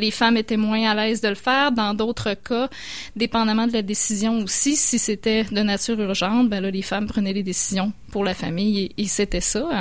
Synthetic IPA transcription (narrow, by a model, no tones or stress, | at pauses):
lefamet̪ɛmwɛ̃alɛːzd̪ələfɛːʁd̪ɑ̃d̪oːt̪χəkʰa | d̪epɑ̃d̪amɑ̃d̪əlad̪esizjɔ̃osisiset̪ɛd̪ənatt͡syːʁyʁʒɑ̃t̪̚bɛ̃lʌlefampχənɛd̪ed̪esizjɔ̃puʁlafamɪjeːset̪ɛsʌ